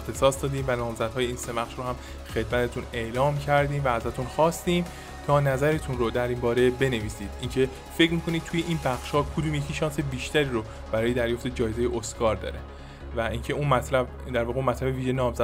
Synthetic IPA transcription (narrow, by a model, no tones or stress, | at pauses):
ext̪ʰe̞sɒːsd̪ɒːd̪iːmvænɒːmzæd̪̥hɒːje̞iːnse̞mæχʃɾohæm | xe̞d̪̚mæt̪ʰet̪ʰune̞ʔlɒːmcʰæɾd̪iːmvææzæt̪ʰunxɒːst̪iːm | t̪ʰɒːnæzæɾe̞t̪ʰunrod̪æɾimbɒːɾe̞be̞ne̞viːsiːd̪̥incʰe̞ | fecmiːkʰo̞nid̪̚t̪ʰuje̞ʔiːnbæxʃhɒːkʰod̪uːmjecʰiːʃɒːnse̞biːʃt̪æɾiːɾo | b̥æɾɒːje̞d̪æɾjoft̪e̞d͡ʒɒːje̞zejeʔoskɒːɾd̪ɒ̰ːɾe̞ | væiːncʰe̞unmæt̪ʰlæb | d̪æɾvɒːɣeunmæt̪ʰlæbeviːʒenɒːmzæ